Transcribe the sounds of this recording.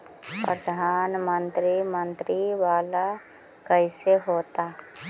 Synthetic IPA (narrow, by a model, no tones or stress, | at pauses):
pɾəd̪ʱaːnmə̃nt̪ɾimə̃nt̪ɾiʋaːla | kəɪseɦoːt̪aː